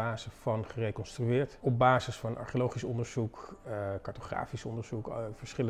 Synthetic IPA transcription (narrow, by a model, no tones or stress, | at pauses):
aːzəfɑnχərejkɔnstryɪːɹtɔb̚baːzəsfɑnʔɑ̰ɹχjolowχisɔndəɹzukkɑɹtoχra̰ːfisɔ̰ndəɹz̥ukfəɹsχɪlə